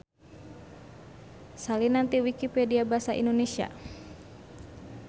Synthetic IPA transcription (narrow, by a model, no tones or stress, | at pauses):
salinant̪iwikipediabaasaʔḭndonesia̰